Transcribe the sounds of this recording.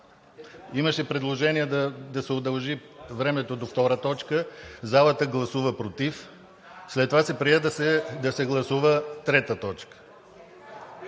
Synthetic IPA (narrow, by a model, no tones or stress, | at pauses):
iməʃɛpɾɛd̪lˠoʒɛniɛd̪d̪ɐsɛod̪ɐlˠʒivɾɛmɛt̪od̪oft̪ɔɾət̪ɔt͡ʃkəzalˠət̪əɡlˠɐsuvəpɾot̪if | slɛt̪ːovasɛpɾiɛd̪d̪ɐsɛɡlˠɐsuvət̪ɾɛt̪ət̪ɔt͡ʃkə̥